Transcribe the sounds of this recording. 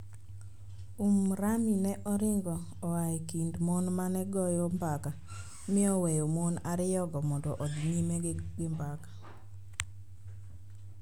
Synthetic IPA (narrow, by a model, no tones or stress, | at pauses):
umɾaminɛʔɔɾɪŋɡɔːaikindmonmanɛɡɔjɔmbaka | mɪɔwɛjomonaɾɪjɔɡɔmɔndɔʔɔdɲimɛɡɪmbakḁ